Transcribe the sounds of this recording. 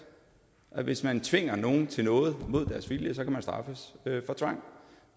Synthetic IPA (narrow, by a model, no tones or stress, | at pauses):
ʔæʋe̝smænt͡sʰʋe̝ŋ̰ɐno̝ːn̩t͡sʰe̝nɔ̽ːð̩ˠmo̝ð̞̰ˠd̥æɐsʋiljəsɒ̽kʰæmænsd̥ʁɑ̈fəsøfɒ̽t͡sʰʋɑ̈ŋ̰